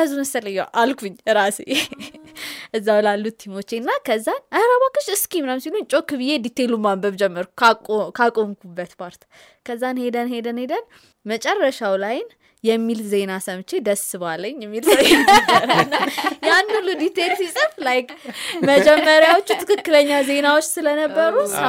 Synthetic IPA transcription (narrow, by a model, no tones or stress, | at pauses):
ɨzumɨsələjːwʔalkʷʰuɲːɾase | ʔɨzːawlalːut̪ʰːimo̞t͡ʃːenːakʰəzːanʔəhɾaβakːɨʃɨskimnəmsiluɲt͡ʃʼo̞kːɨβɨjed̪it̪ʰːelumabəβd͡ʒɛmːəɾku̥kʼokʰakʼo̞mkʰubːət̪pʰaɾt̪ | kʰəzːanhe̞d̪ənhe̞d̪ənhe̞d̪ən | mət͡ʃʼɛrːəʃawlajɪn | jɛmːilze̞nasəmt͡ʃe̞d̪əsɨβalːəɲːjɛmːilswɛnəbəɾaɨnːajanːulːud̪it̪ʰːelsisʼɨflajkməd͡ʒɛmːəɾjawot͡ʃːut̪ʰɨkɨkːɨləɲːaze̞nawot͡ʃːsɨlənəbːəɾu